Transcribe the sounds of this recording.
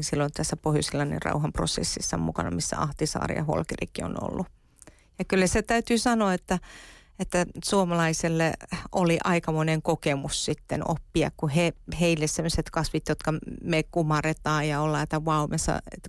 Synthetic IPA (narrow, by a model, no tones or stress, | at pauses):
silːont̪æsːæpohjusilːɑnḭrɑ̰uhɑmpro̰sḛsːisːɑmṵkɑ̰nɑ̰misːæ̰ɑht̪isɑ̰ːrḭjɑ̰ho̰lkerḭkːio̰no̰lːu | jɑkylːæset̪æyt̪ysɑnoɑet̪ːæ | et̪ːæsuomɑlɑiselːeoliʔɑikɑmoneŋkokemussit̪ːeno̰pːiɑ̰kkuheheilːessemːoset̪kɑsʋit̪jot̪kɑmekumɑret̪ɑːjɑolːɑet̪ːæʋɑumesɑ̰et̪